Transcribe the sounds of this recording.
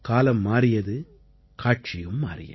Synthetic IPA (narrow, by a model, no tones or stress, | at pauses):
kaːlɐmːaːɾɪjɐðɯ | kaːʈ̚t͡ʃɪjɯmːaːɾɪ̰jɐ̰